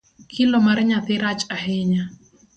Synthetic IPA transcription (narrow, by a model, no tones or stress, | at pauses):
kʰɪlomaɾɲat̪ɪɾat͡ʃahɪɲa